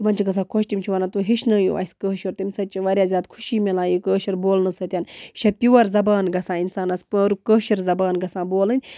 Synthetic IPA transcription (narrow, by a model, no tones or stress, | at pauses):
mɐnʲt͡ʃʰiɡɐs̬ãːkʰoʃtimʲt͡ʃʰiʋɐnat̪uɦiʃʰnɐjṵɐ̰sʲkəːʃiɾt̪imʲsɐt͡ʃiʋɐɾʲjaːzʲjaːd̪kʰu̥ʃiːmelãːjiːkəːʃɐɾboːlnɨsɐt̪ʲɐnʃɐpʲiʋɐɾzɐbaːnɡɐsãːinsaːnɐspəːɾukəːʃiɾzɐbaːnɡɐsãːboːlɨnʲ